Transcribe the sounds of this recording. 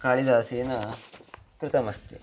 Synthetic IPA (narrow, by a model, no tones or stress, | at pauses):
kaːɭid̪aːsiːnɐ | kɾut̪ɐmɐst̪ḭ